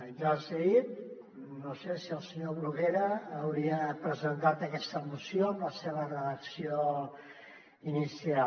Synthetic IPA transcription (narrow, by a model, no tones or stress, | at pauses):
nʒasəɣit̪̚ | nosesiəlˠsəɲoβɾuɣeɾəːwɾiəpɾəzənt̪at̪əkɛst̪əmusjoəmləseβərəðəksio | inisia